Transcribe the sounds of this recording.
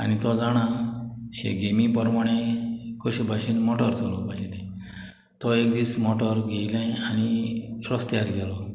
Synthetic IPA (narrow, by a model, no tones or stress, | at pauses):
a̰ñit̪ɔd͡zaɽ̃aɕḛɡemipəɾmaɽ̃ẽkəɕbʱaɕiːnmɔʈəɾt͡sʰolɔpad͡ʑet̪ẽ | t̪ɔekd̪iːt͡smɔʈəɾɡʱejlẽañiɾɔst̪jaɾɡɛlɔ